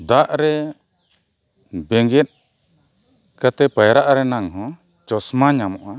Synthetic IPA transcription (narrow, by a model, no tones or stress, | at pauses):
d̪aʔɾɛ | bɛŋɡɛt̪̚ˀ | kat̪ɛpajɾaʔaɾɛnaŋɦɔ̃ | t͡ʃɔsmaɲamɔʔa